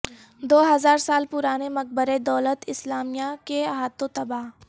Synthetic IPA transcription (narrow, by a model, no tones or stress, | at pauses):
d̪oːɦɐzaːɾsaːlpʊɾaːnemɐk̚bəɾed̪ɔːlət̪ɪslaːmijakeɦaːt̪ot̪ɐbaːɦ